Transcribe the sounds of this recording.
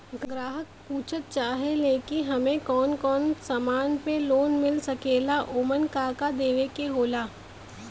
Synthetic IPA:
ɡɡɾaːɦək̚puːt͡ʃʰət̪̚t͡ʃaːɦeleːkɪnɦɐmẽkɔːnkɔːnsamaːnpeloːnmɪlsɐkeːlaʔoːmənkaːkad̪eːʋekeɦoːlaː

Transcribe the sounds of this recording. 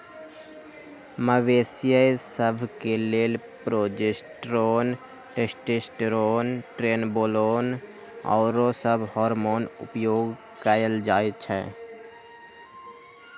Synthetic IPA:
məʋeːsɪjəjsəbʱkeleːl | pɾoːd͡ʒesʈɾoːn | ʈesʈesʈɾoːnʈɾeːnboːloːn | ɔ̰ːɾosəbʱhɔːɾmoːnʊ̰pjoːɡ | kəjəld͡ʒaːet͡ʃʰɛ̰ː

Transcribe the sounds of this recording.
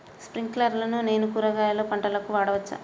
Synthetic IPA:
spɾiŋɡklɐɾlɐnune̞ːnukuɾɐɡaːjɐloːpɐɳʈɐlɐkuʋaːɽɐʋɐt͡ʃːa̰ː

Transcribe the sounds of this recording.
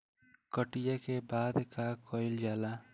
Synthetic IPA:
kəʈijakebaːd̪kakʰɔjld͡ʒaːla

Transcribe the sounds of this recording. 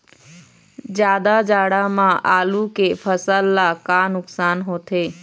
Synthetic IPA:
d͡ʒjaːd̪ad͡ʒaːɽamãʔaːlukeːfʰəsəlːaːkaːnʊksaːnɦoːt̪ʰeː

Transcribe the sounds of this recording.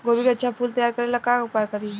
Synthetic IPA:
ɡoːbikeɐtːʃʰapʰuːlt̪ɐjaːɾkɐɾelɐkaʊpaːjkɐɾi

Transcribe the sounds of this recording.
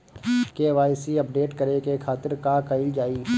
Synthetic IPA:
keʋaːɪsiɐp̚ɖeːʈkɐɾekekʰaːt̪ɪɾkakɐɪld͡ʒaːiː

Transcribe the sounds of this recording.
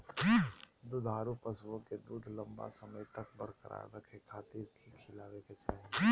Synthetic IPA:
d̪ʊd̪ʱaːɾupɐswõked̪uːd̪ʱlɐ̃mba̰sɐməjt̪ɐkbəɾkəɾa̰ːj̰bəkʰekʰaːt̪iːɾkʰikʰɪlaːʋeket͡ʃaːɦe

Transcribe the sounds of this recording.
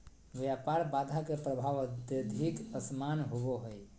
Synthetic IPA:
ʋjapaɾbad̪ʱakepɾəbʱaʋəd̪jəd̪ʱikəsmanɦoboɦəj

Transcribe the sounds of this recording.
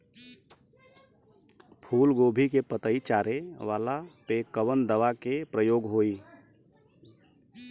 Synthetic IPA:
pʰuːlɡoːbʱikepət̪əit͡ʃaːɾeʋaːlapeːkːəʋənd̪əʋakepɾəjoːɡɦoːiː

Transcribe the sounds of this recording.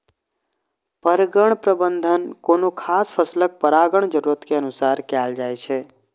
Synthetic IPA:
pəɾɡəɳ̃pɾəbənd̪ʱənkonokʰaːspʰəslək̚pəɾaɡəɳ̃d͡ʒəɾuɾət̪keənusaːɾkɛːld͡ʒaːjt͡ʃʰɛ

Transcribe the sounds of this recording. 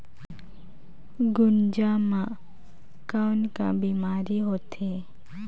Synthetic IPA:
ɡʊnd͡ʒamã | kanka̰biːmaːɾiɦoːt̪e

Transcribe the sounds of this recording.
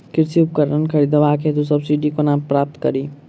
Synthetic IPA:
kɪɾsiʊpkəɾənkʰəɾiːd̪əʋaːkʰet̪usɐbsiɖikonãːmpɾaːp̚t̪kəɾiː

